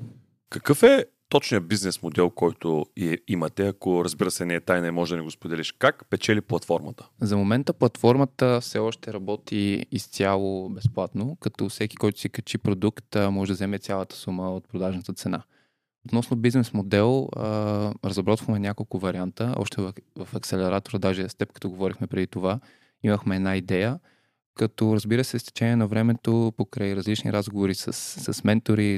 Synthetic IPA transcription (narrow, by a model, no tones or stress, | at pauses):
kɐkɤfɛ | t̪ɔt͡ʃnijəbiznɛsmod̪ɛlˠkɔjt̪ʊɛimɐt̪ɛɐkoɾəzbiɾəsɛnɛɛt̪ajnɛmɔʒɛd̪ɐnɛɡospod̪ɛliʃkakpɛt͡ʃɛliplˠɐt̪fɔɾmət̪ə̥zɐmomɛnt̪əplˠɐt̪fɔɾmət̪əfsɛɔʃt̪ɛɾɐbɔt̪iːst̪ʲalˠobɛsplˠat̪nokɐt̪ɔfsɛki̥kɔjt̪ʊ̥sikɐt͡ʃipɾod̪ukt̪mɔʒɛd̪ɐzɛmɛt̪sʲjalˠət̪ə̥suməot̪̚pɾod̪aʒnət̪ət̪sɛna | ot̪nɔsnobiznɛsmod̪ɛlˠəɾɐzɐbɾɔt̪vəxmɛnʲakolˠkʊvɐɾʲiant̪əɔ̰ʃt̪ɛvvɐfɐksɛlɛɾat̪oɾəd̪aʒɛst̪ɛp̚kɐ̥t̪ɔɡovɔɾixmɛpɾɛd̪it̪ova | iməxmɛɛd̪naid̪ɛjə | kɐt̪ɔɾəzbiɾəsɛst̪ɛ̥t͡ʃɛnʲiɛnɐvɾɛmɛt̪opokɾaiɾɐzlit͡ʃnḭɾʔazɡovoɾisə̰sːɐsmɛnt̪oɾi